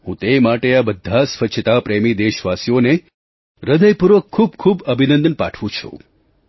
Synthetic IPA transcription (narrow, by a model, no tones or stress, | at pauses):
hũt̪emaʈeabəd̪ʱːasʋət͡ʃʰt̪apɾemid̪eʃʋasijone | ɾəd̪əjpuɾʋəkʰːub̚kʰubəbʱinənd̪ənpa̰ʈʰʋũt͡ʃʰṵ̃